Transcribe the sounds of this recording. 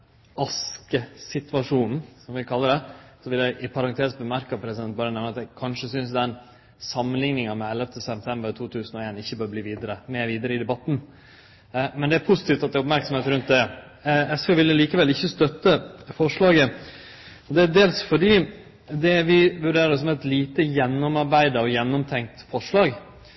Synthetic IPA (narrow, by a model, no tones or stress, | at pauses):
ɑskəsɪt̪ʋɑʂuːnn̩sɔmʋɪkʰɑlːəɖɛsɔʋɪljæɪʔɪpʰɑɾɑnt̪ʰeːsbəmæɾkɑpʰɾɛsɪd̪ɛnt̪̚bɑːɾənɛʋnəɑt̪ɛkʰɑnʂəsʏns̬d̪ɛn | sɑmːənlɪŋnɪŋɑmɛɛlːəft̪ʰəsɛp̚t̪ʰɛmbəɾt̪ʰuːt̪ʰʉːsn̩ɔeːnɪçːəbøːɾəbliːʋiːd̪əɾəmɛːʋiːd̪əɾəɪd̪ɛbɑt̪n̩ | mɛnd̪ɛæɾpʰʊsɪt̪iːft̪ɑt̪d̪æʊpmæɾksɔm̩eːt̪ɾʉnt̪̚d̪ɛ | ɛsfeːʋɪlːəliːkəʋɛlɪçːəst̪œt̪ːəfɔʂɭɑːɡə | ɔd̪ɛæd̪eːlsfɔɖiː | d̪ɛʋɪʋʉɖeːɾəɾɔsɔmɛt̪liːt̪əjɛnːɔmɑɾbæɪd̪əɔjɛnːɔmt̪ʰɛŋk̚t̪fɔʂɭɑːɡ